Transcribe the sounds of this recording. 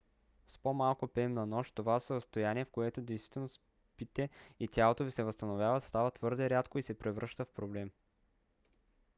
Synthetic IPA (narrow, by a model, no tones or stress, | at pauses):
spomalˠkopɛmnɐnɔʃt̪ːovasəɾəst̪ojaniɛfkoɛt̪od̪ɛjst̪vi̥t̪ɛlnos | pit̪ɛit̪ʲalˠot̪ovisɛvəst̪ɐnovjavət̪st̪avət̪vɤɾd̪ɛɾʲjat̪koisɛpɾɛvɾɤʃt̪əfpɾoblɛm